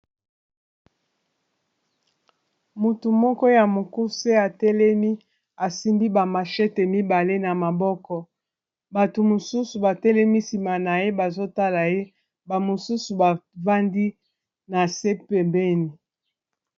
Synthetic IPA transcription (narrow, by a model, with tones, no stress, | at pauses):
mo˨tu˨mɔ˦kɔ˦ja˨mo˨ku˦se˦a˨tɛ˦lɛ˦mi˦ | a˨si˦mbi˦ba˨ma˨ʃɛ˦te˨mi˦ba˨le˦na˨ma˨bɔ˦kɔ˦ | ba˨to˨mo˨su˦su˨ba˨tɛ˦lɛ˦mi˦si˨ma˨na˨je˦ba˨zo˦ta˦la˨je˦ | ba˨mo˨su˦su˨ba˨va˦ndi˦ | na˨se˦pe˨mbɛ˦ni˨